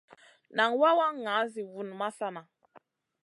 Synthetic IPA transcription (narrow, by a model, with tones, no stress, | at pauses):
na˨ŋwa˦wa˦ŋːa˨˦zi˨vu˦˨n˨ma˦sa˦na˨